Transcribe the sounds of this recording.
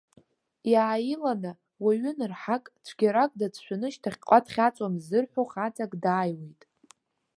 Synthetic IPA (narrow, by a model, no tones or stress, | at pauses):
jaːjilanɨ | waɥʏnɨrħakʼt͡ɕʷʰɡʲaɾakʼdat͡sʰʃʷᶣanɨʃtʰaχʲqʷʼatʰχʲat͡sʷʼamzɨrħʷᶣoχat͡sʰʼakʼdaːjwejtʼ